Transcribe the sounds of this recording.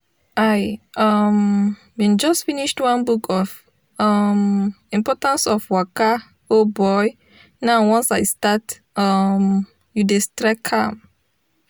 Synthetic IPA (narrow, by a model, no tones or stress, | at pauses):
ajʌm | wĩnd͡ʒɔstfiniʃtwãnbukʰɔf | ʌm | ĩmpɔtãnsɔfwaka | obɔj | naʊwɔ̃nsaɪstat | ʌm | judestɾɛkʰːam